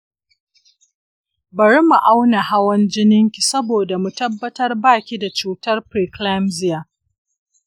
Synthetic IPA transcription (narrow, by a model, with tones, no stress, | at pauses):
bɐ˨ɽi˦mu˨ʔa˦wna˨ha˦wɐ˦nd͡ʒɪ˦nɪ˦ŋkʲi˨sɐ˦boː˨da˨mu˨tɐ˦bːɐ˦tɐ˦rbaː˦˨kʲi˦da˨t͡ʃuː˦˨tɐ˦rpɾiː˨kla˦mzɪ˦ja˨